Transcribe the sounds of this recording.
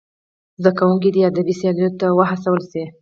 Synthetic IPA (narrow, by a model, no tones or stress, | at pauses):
zd̪akawuŋk̬id̪iad̪abisijɑlujot̪awəɦasawəlsi